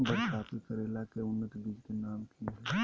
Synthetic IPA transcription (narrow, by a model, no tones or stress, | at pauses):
bətaːpikəɾeːlakeʊnːət̪bid͡ʒkenaːmt̪ʰiɦɛ